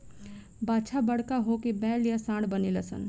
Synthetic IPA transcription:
baːt͡ʃʰabɐɽ̤kaɦokibɛːljasãːɽbəniləsə̰n

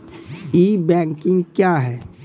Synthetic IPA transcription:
iːbɛ̃ːŋkɪ̃ŋɡkjaɦɛː

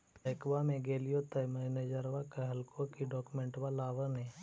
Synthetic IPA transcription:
əːkʋamẽɡeːlijot̪amɛneːd͡ʒəɾʋakaɦəlkõkiɖɔːkumẽɳʈʋalaːʋəne

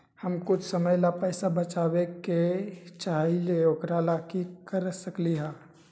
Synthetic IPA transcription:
həmkʊt͡ʃʰsəməjlapɛːsabət͡ʃaːweket͡ʃaːɦileokɾalakikəɾsəkliɦaː

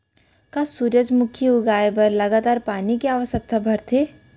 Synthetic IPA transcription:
kasuːɾjəd͡ʒmʊkʰiʊɡaːebɐɾlɐɡaːt̪aːɾpaːnikiaːʋəʃjək̚t̪abʱɐɾt̪ʰeː

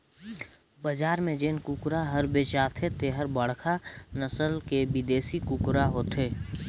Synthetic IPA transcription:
bəd͡ʒaːɾmẽd͡ʒeːnkʊkɾaɦəɾbeːt͡ʃaːt̪ʰet̪eɦəɾbɐɽkʰanəsəlkebɪd̪eːsikʊkɾaɦoːt̪eː

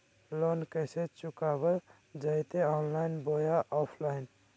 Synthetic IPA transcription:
lonkəset͡ʃukabəɾ | d͡ʒajt̪eɔnlaɪnbojaʔɔpʰlaɪn

